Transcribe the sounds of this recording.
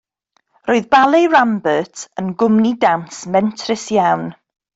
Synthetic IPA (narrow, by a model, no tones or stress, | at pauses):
roɨðbalˠejɹambətʰənɡʊmnidamsmɛntʰrɪsjawn